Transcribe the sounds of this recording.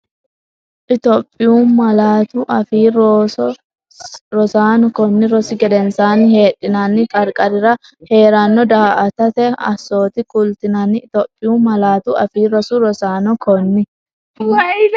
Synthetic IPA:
ʔɪt̪opʼːɪjuːmɐlaːt̪uʔɐfiːɾ | ɾɔsaːnɔkɔnːɪɾɔsɪɡɛd̪ɛnsaːnɪhe̞ːᶑːɪnanːɪkʼɐɾkʼɐɾɪɾɐ | he̞ːɾanːɔd̪aːʔɐt̪ɐt̪ɛɐ̰so̞ːt̪ɪkʼʊlt̪ɪnanːɪːt̪opʼːɪjuːmɐlaːt̪uʔɐfiːɾɔsuɾɔsaːnɔkʰɔnːɪ

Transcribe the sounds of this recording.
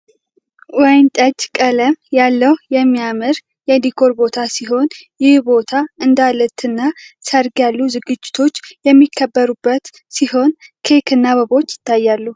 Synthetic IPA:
wɛjnt̪ʼəd͡ʒkʼələmjalːəwjɛmːijamɨɾ | jɛd̪ikʰo̞ɾbo̞t̪ʰasiɦo̞njɪhbo̞t̪ʰaɨnd̪alət̪ʰɨnːasəɾɡjalːuzɨɡɨd͡ʒːɪ̥t̪ʰo̞t͡ʃːjɛmːikʰːəbːəɾubːət̪ | siho̞nkʰekʰɨnːaβəβo̞t͡ʃːjɪ̥t̪ːajːalːu

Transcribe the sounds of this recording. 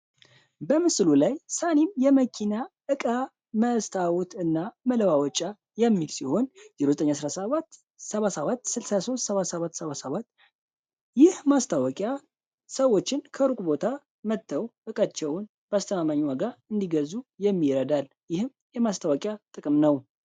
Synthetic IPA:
bəmɨslulajsanimjɛməkʰina | ɨkʼa | məst̪ʰawut̪ɨnːamələwawɔt͡ʃʼːa | jɛmːilsiho̞nziɾozət̪əɲːasɾasəβat̪ | səβasəβat̪ːsɨlsaso̞st̪səβat̪səβat̪ːsəβasəβat̪ː | jɪhmast̪ʰawɔkʼja | səwo̞t͡ʃːɪnkʰəɾukʼubo̞t̪ʰa | mət̪ʰːəwʔɨkʼat͡ʃːɛwn | b̥ast̪ʰəmamaɲːwaɡaɨnd̪iɡəzujɛmːiɾəd̪al | jɪhɨm | jɛmast̪ʰawɔkʼjat̪ʼɨkʼɨmnəw

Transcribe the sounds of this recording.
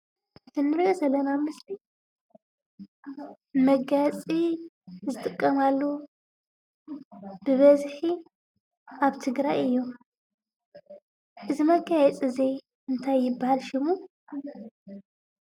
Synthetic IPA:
t̪ʰɨnːɨɾjozɐlːɐnamɨsli | mɐɡat͡sʼi | zɨt̪ʼɨkʼːɐmalːo | bɨβɐzħi | ʔaβt̪ʰɨɡɾajɨjːu | ʔɨzimɐɡajɛt͡sʼize | ɨnt̪ʰajːɪbːahalʃɪmu

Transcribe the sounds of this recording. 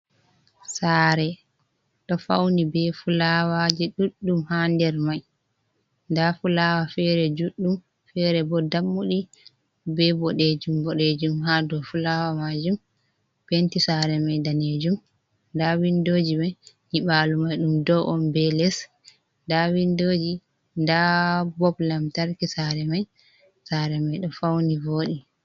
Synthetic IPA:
saːɾɛ | ɗɔfa̰wnibɛfulawad͡ʒiɗuɗːumhandɛɾmaj | ndafulawafɛɾɛd͡ʒuɗːum | fɛɾɛbɔdamːuɗi | bɛbɔɗed͡ʒumbɔɗed͡ʒumɦadɔfulawamad͡ʒum | pentisaɾɛmajdaned͡ʒum | ndawindod͡ʒimaj | hiɓaːlumajɗumdɔʔɔmbɛlɛs | ndawindod͡ʒi | ndabɔblamtaɾkisaɾɛmaj | saːɾɛmajɗɔfawnivoːɗi

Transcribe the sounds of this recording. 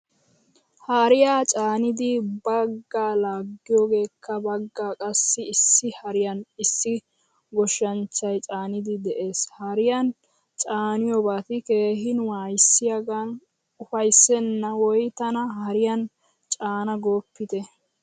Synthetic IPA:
hɐɾɪjaːt͡ʃʼaːnɪd̪ɪbɐɡːaːlaːɡːɪjoːɡe̞ːkʰːɐbɐɡːaːkʼɐsːɪɪsːɪhɐɾɪjɐnɪsːɪ | ɡɔʃːɐnt͡ʃːɐjt͡ʃʼaːnɪd̪ɪd̪ɛʔe̞ːshɐɾɪjɐn | t͡ʃʼaːnɪjoːbaːt̪ɪke̞ːɦɪnwaːjsːɪjɐɡan | ʊfɐjsːɛnːɐwɔjt̪ɐnɐhɐɾɪjɐn | t͡ʃʼaːnɐɡo̞ːpːɪt̪ɛ

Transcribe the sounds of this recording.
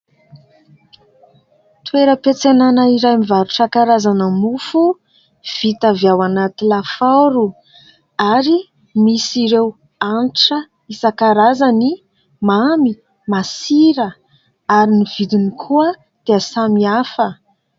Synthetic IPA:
t̪weɾəpet͡senanaiɾajmivaɾuʈ͡ʂakaɾazanəmufu | v̥it̪avjawanat̪ilafawɾu | aɾi | misiɾew | anʈ͡ʂə | isakaɾazani | mami | masiɾə | aɾiniv̥id̪inikʰuə | d̪̥easamiafə

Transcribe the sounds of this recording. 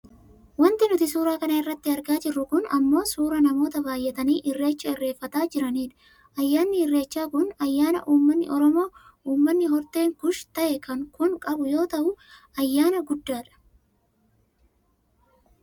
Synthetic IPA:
wɐnt̪ɪnʊt̪ɪsuːɾaːkɐnɐɪrːɐt̪ːɪɐɾɡaːd͡ʒɪrːʊkʊnɐ̰mːo̞ːsuːɾɐnɐmo̞ːt̪ɐbaːjːɛt̪ɐniːʔɪrːe̞ːt͡ʃːɐɪrːe̞ːfːɐt̪aːd͡ʒɪɾɐniːᶑɐ̥ | ʔɐjːaːnːɪɪrːe̞ːt͡ʃːaːkʊnɐjːaːnɐ̰ʔuːmːɐnːɪ̰ʔɔɾɔmo̞ː | uːmːɐnːɪɦɔɾt̪e̞ːŋkʊʃt̪ɐʔɛkɐŋkʊŋkʼɐbʊjo̞ːt̪ɐʔʊ | ɐjːaːnɐɡʊd̪ːaːᶑɐ̥

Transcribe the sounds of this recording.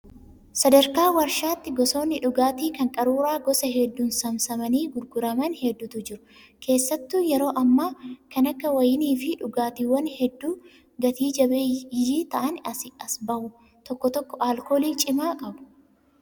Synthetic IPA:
sɐd̪ɐɾkaːwɐɾʃaːt̪ːɪɡɔso̞ːnːɪᶑʊɡaːt̪iːkɐŋkʼɐɾuːɾaːɡɔsɐɦɛd̪ːuːnsɐmsɐmɐniːɡʊɾɡʊɾɐmɐnhɛd̪ːʊt̪ʊd͡ʒɪɾʊ | kʰe̞ːsːɐt̪ːuːjɛɾo̞ːʔɐmːaːkɐnɐkːɐwɐjɪniːfɪᶑʊɡaːt̪iːwːɐnhɛd̪ːuː | ɡɐt̪iːd͡ʒɐbeːjɪd͡ʒiːt̪ɐʔɐnɐsɪɐsbɐʔʊ | t̪ɔkːɔt̪ɔkːɔʔaːlko̞ːliːt͡ʃʼɪmaːkʼɐbʊ̥

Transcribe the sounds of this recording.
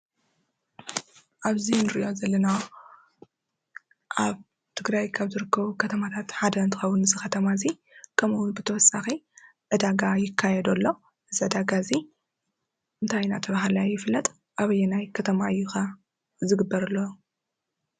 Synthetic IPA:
ʔaβzinɨɾɨʔo̞zɐlːɐnaw | ʔaβ | t̪ʰɨɡɾajkʰaβzɨɾɨkʰːɐβukʰɐt̪ʰɐmat̪ʰat̪ħad̪ɐnt̪ʰɨxɐwunɨzɨxɐt̪ʰɐmazi | kʰɐmɨwʊnbɨt̪ʰɐwɔsaxi | ʕɨd̪aɡajɪkʰːajɛd̪ɐlːo̞ | ʔɨziʕɨd̪aɡazi | ʔɨnt̪ʰajnat̪ʰɐβaɦalajɪflːɐt̪ʼ | ʔaβɐjːɛnajkʰɐt̪ʰɐmaɨjːuxa | zɨɡɨbːɐɾɨlːo

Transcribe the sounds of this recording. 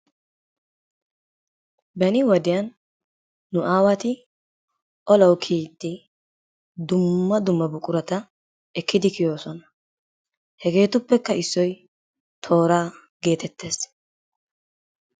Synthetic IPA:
bɐnɪwɐd̪ɪjɐnː | ʊʔaːwɐt̪ɪ | ʔɔlɐwkʰiːt̪ːɪ | d̪ʊmːɐd̪ʊmːɐbʊkʼʊɾɐt̪ɐ | ʔɛkːɪd̪ɪkɪjo̞ːsɔnɐ | hɛɡe̞ːt̪ʊpːɛkːɐɪsːɔj | t̪ʰo̞ːɾaː | ɡe̞ːt̪ɛt̪ːe̞ːs

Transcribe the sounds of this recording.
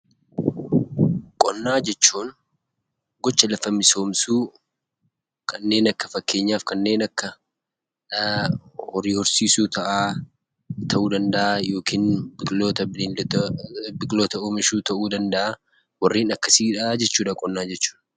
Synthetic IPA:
kʼɔnːaːd͡ʒɛt͡ʃːuːn | ɡɔt͡ʃːɐlɐfɐmɪso̞ːmsuː | kʰɐnːe̞ːnɐkːɐfɐkːe̞ːɲːaːfkɐnːe̞ːnɐkːɐ | hɔriːhɔɾsiːsuːt̪ɐʔaː | t̪ʰɐʔuːd̪ɐnd̪ɐʔaːjo̞ːkʰiːnbʼloːt̪ɐbɪli | bɪkʼloːt̪ɐoːmɪʃuːt̪ɐʔuːd̪ɐnd̪ɐʔaː | wɐrːiːnɐkːɐsiːᶑɐaːd͡ʒɛt͡ʃːuːᶑɐkʼɔnːaːd͡ʒɛt͡ʃːu̥ːn

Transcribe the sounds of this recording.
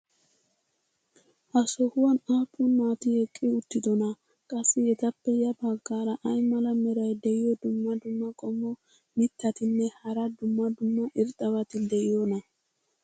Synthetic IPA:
ʔɐsɔhʊwɐnaːpʼːʊnmaːt̪ɪjɛkʼːɪʊt̪ːɪd̪ɔnɐ | kʼɐsːɪjɛt̪ɐpːɛjɐbaɡːaːɾɐʔɐjmɐlɐmɛɾɐjd̪ɛjɪjɔd̪ʊmːɐd̪ʊmːɐkʼɔmːɔ | mɪt̪ːɐt̪ɪnːɛhɐɾɐd̪ʊmːɐd̪ʊmːɐʔɪɾt̪ʼːɐβɐt̪ɪd̪ɛʔɪjɔnɐ

